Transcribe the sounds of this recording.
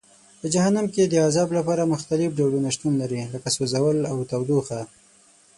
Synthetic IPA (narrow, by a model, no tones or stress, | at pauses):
pəd͡ʒahanamked̪əazɑblapɑɾamʊxt̪alɪfɖalunaʃt̪unlaɾiləkasozawəlawt̪awd̪uxa